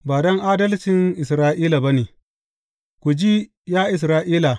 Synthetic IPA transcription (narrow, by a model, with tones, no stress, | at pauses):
baː˨dɔ˦ŋʔaː˦dɐ˦lt͡ʃɪ˨ŋʔɪ˨sɾaː˦ʔiː˦la˨ba˦neː˨ | kʷu˨d͡ʒi˦ | jaː˦ʔɪ˨s̬ɾaː˦ʔiː˦la˨